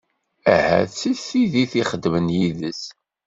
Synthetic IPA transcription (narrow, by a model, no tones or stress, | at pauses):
æhæ̰t͡sːiθiðiθiχəd̪mənjiðəs